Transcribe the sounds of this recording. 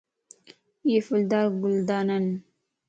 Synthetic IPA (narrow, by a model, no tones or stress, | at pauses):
jefuld̪aːɡuld̪aːnan